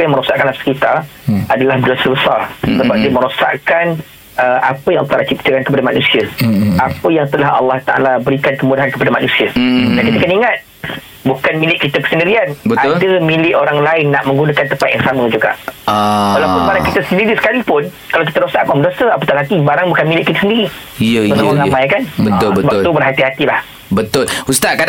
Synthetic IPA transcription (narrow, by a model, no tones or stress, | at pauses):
pəjaŋməɾosaʔkanlasskit̪aadalahdosəbəsarsəbap̚diəməɾosa̰ʔkan | əʔapəjaŋalːɑht̪alat͡ʃip̚t̪əkankəpadamanusiaapəjaŋt̪əlahɑ̰lːɑht̪a̰ʔa̰labəɾikankəmudaɦankəpadamanũsiadankit̪əkəniŋat̪̚ | bukanmilɪʔkːit̪akə̥səndiɾianbəadəmĩlɪʔoɾaŋlaɪnːaʔmə̃ŋɡunakant̪əpat̪̚jaŋsamə̃d͡ʒuɡa̰ʔ | walawpʊnmanakit̪asəndiɾisə̥kalipʊn | kalawk̬it̪adɾosaʔkamdosəapət̪alɦat̪ibaɾaŋbukanmilɪʔkit̪asəndiɾi | iəəsamalamãjkanbət̪ʊlbəbakt̪ubərɦat̪iɦat̪ilah | bət̪ʊlust̪aka